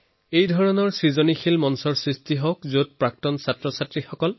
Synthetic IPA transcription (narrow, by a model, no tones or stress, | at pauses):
ejdʱɔɹɔnɔɹsɹizonixʰilmɔnsɔɹsɹistiɦɔkzot̚pɹak̚tɔnsatɹɔsatɹixɔkɔl